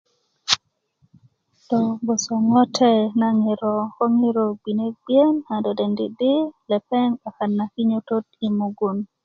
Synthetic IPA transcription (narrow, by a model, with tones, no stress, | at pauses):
tɔ˨bo˨sɔ˨ŋɔ˦tʰɛ˦na˨ŋɪ˨ɾɔ˨kɔ˦ŋɪ˦ɾo˨bi˨ne˦bjɛ˦nha˨dɔ˨de˨ndḭ˨dɪ˦lɛ˨pɛ˦ŋa˨ka˨nːa˨ki˦ɲo˦to˦ti˨mu˨ɡu˨n